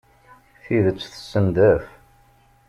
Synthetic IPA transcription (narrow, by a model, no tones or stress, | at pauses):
θiðət͡sːθə̥sːənd̪æf